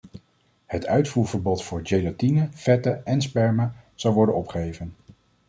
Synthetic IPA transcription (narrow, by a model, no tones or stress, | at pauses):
hətʰœɥtfuːɹvəɹbɔtfʊːɹd͡ʒejlatinəfɛtəɛnspɛɹməz̥ɑwʋɔɹdənɔpχəejvən